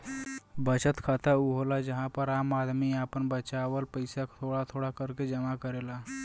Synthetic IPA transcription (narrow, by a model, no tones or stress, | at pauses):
bət͡ʃət̪kʰat̪auɦolad͡ʒəɦãpəɾamad̪miapəɳbət͡ʃaʋəlpəjsakt̪ʰoɽat̪ʰoɽakəɾked͡ʒəmakəɾela